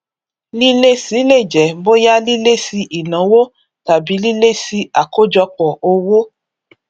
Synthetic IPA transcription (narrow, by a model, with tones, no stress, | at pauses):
li˦le˦si˨˦le˦˨d͡ʒɛ˨bo˦ja˦li˦le˦si˧ʔi˨nã˨˦wo˦ | ta˨bi˨˦li˦le˦si˧˦a˨ko˦d͡ʒɔ˧k͡pɔ˨o˧wo˦